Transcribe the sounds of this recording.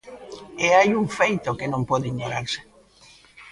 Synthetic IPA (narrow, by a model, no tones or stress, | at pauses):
eajuŋfejt̪okenõmpɔðiɲoɾaɾse̥